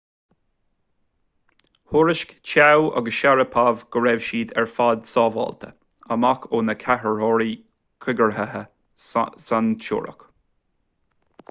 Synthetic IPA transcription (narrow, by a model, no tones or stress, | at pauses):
hʊɹɪʃkt͡ʃʰawʔa̰ɡəsʃaɹəpʰavɡ̥əɹɛvʃiːd̪ɛɹfad̪sɑːvɔ̰lt̪ʰə̰ | əmakʰoːnəkʰahəɹhɔɹi | kʰɪɡəɹɦəhə | sant͡ʃʊ̰ɹə̰k